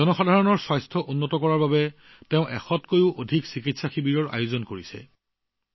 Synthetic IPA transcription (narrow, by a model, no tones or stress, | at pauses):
ɔnɔxadʱaɹɔnɔɹswajstʰɔʔunːɔtɔkɔɹaɹbabɛ | teʊ̃ʔɛ̰xɔtkojʊʔodʱiksikitsaxibiɹɔɹa̰jʊzɔnkoɹisɛ̰